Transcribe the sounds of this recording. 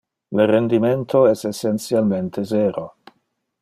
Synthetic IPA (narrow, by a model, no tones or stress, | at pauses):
lerend̪iment̪ʰoɛsesːent̪sialment̪ʰezeːɾo